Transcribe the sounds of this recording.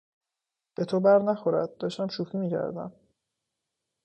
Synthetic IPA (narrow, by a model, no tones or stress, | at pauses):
b̥e̞t̪ʰobæɾnæxoɾæ̰d̪̚d̪ɒːʃt̪æmʃufiːmiːcʰæ̰ɾd̪æ̰m